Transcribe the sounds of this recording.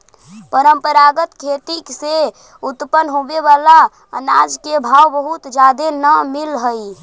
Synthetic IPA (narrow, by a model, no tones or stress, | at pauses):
pəɾəmpəɾaɡət̪kʰet̪ikse | ut̪pənɦobeʋala | ənad͡ʒkebʱawbəɦut̪d͡ʒad̪enəmilɦəj